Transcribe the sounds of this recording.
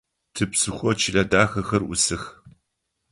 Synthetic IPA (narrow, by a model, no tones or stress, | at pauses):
tʰɨpsɨxʷɔt͡ʃʰiɮɐdaːxɐxɐrʔʊsɨx